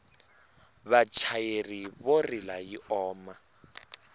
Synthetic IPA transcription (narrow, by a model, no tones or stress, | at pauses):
βat͡ʃʰajeriβorilajiʔɔːma